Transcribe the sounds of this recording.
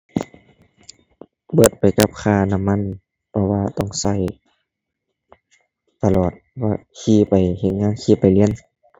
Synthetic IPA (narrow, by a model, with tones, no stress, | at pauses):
bɤː˧˩t̪̚pa˨˩jka˧˥p̚kʰaː˧˩na˧˨mːa˧˥˨n | pʰɔ˧waː˧t̪ɔ˧˩ŋsa˧˩˨j | t̪a˧˨lɔː˨˩t̪̚a˧kʰiː˧˩˨pa˨˩jhe˧˩n̚ŋaː˧˥˨nkʰiː˧˩pa˨jli˧˥ən